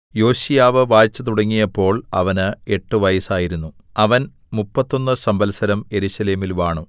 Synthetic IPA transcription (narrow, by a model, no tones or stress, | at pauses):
jo̞ːɕijaːʋɨʋaːjt͡ɕːɐt̪̬uɽɐŋːijɐpːo̞ːɭɐ̰ʋɐnɨe̞ʈːɨʋɐjɐsaːjiɾunːu | ɐʋɐn | mupːɐt̪ːo̞nːɨsɐmbɐlsɐɾɐmje̞ɾuɕɐle̞ːmilʋaːɳu